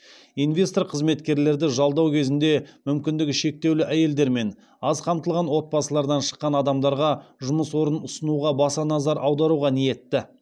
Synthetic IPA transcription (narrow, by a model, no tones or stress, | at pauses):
invʲe̞st̪orqʰəzme̞t̪kʲe̞ɾle̞ɾd̪ɪʒɑlˠd̪ɑwkʲʰe̞zɪnd̪e̞mʏmkʲɪnd̪ɪɡʲɪʃe̞k̚t̪e̞wlɪʔæje̞ld̪e̞ɾme̞n | ɑzqʰɑmt̪əlˠʁɑnwo̞t̪̚pɑsəlˠɑɾd̪ɑnʃə̥qːɑnɑd̪ɑmd̪ɑɾʁɑʒʊməswo̞ɾənʊsənuʁɑbɑsɑnɑzɑɾʔɑwd̪ɑɾuʁɑnije̞t̪ːɪ